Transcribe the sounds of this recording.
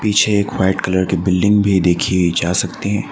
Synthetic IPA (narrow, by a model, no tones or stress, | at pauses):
piːt͡ʃʰeːkʋaɪʈkɐləɾkebɪlɖɪ̃ŋɡbʱid̪eːkʰied͡ʒaːsɐk̚t̪eɦɛ̃ː